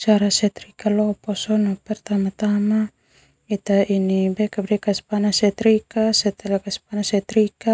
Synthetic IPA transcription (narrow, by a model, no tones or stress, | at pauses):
t͡ʃaɾasɛt̪ɾikaloposonopɛrt̪amat̪ama | it̪ainibɛkabɾɛkaspanasɛt̪ɾikasɛt̪ɛlakaspanasɛt̪ɾika